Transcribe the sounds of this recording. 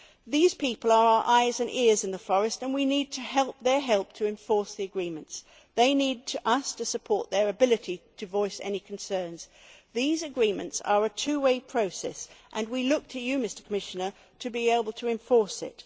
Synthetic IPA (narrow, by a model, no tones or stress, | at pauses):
ðiz̥pʰipəl̩ˠə˞aʊə˞ʔaɪzɨ̃nʔɪɹzɨ̃nðəfɔɹɨstɨ̃nwinid̚tʰɨɦɛlˠp̚ðə˞ɦɛlˠp̚tʰɨɨ̃ɱfɔɹsðiɨɡɹĩmɨ̃nts | ðeɪnid̚tʰɨʔʌstʰɨsɨpʰɔɹt̪̚ðə˞ɨbɪlˠɨɾiɾʰɨvɔɪsɛ̰nikʰn̩sɜ̃˞nz̥ðizɨɡɹĩmɨ̰̃ntsə̰˞ɨtʰʉweɪpʰɹ̥oʊsɛ̰sʔɨ̃nwilʊk̚tʰɨjɨmɪstə˞kʰəmɪʃɨnə˞ | ɾɨbieɪbəl̩ˠtʰɨɨ̃ɱfɔɹsɪ̰t̚